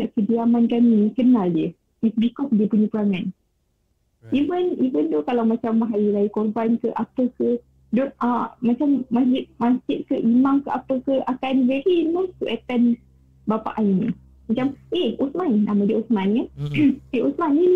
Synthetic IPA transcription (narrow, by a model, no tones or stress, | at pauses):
naʔkədiamankaninikənaldiə | isbikɔsdiəpuɲəpəɾaŋan | ivənivəndɔkalawmat͡ʃamɦailaikɔbankəʔapəkə | dɔəmat͡ʃamːaɪʔ̚mãsɪt̪̚kəʔimaŋkəʔapəkəakanvɛɾiːmat̪uʔɛt̪ɛn | bapa̰ʔaɲni | mat͡ʃamʔeosmannamadiəosmankaneusmanːi